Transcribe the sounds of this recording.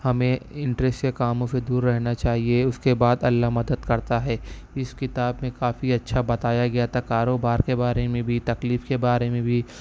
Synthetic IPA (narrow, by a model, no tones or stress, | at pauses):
hɐmẽɪ̃ɳʈɾɛsʈkekaːmõsed̪uːɾːɛɦnat͡ʃaːɦieʊskebaːd̪ɐlːaɦmɐd̪əd̪kɐɾt̪aɦɛː | ɪskɪt̪aːbmẽkaːfiɐtːʃʰabɐt̪aːjaɡɐjat̪ʰakaːɾoːbaːɾkebaːɾemẽbʱit̪ɐkliːfkebaːɾemẽbʱi